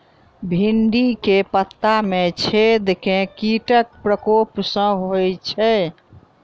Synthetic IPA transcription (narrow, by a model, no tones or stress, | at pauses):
bʱinɖikepət̪ːamet͡ʃʰed̪ekẽkiʈək̚pɾəkopsə̃ɦojt͡ʃʰɛ